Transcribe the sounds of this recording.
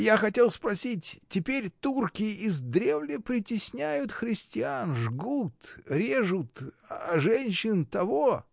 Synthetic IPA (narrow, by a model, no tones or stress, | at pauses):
jaxɐtʲe̞lˠspɾɐsʲitʲtʲɪpʲeɾʲt̪urkʲɪɪzd̪ɾʲe̞vlʲəpɾʲɪtʲɪsʲnʲæjʊt̪xɾʲɪsʲtʲɪanʐɡut̪ɾʲe̞ʐʊt̪aʐɛnʲɕːɪnt̪ɐvo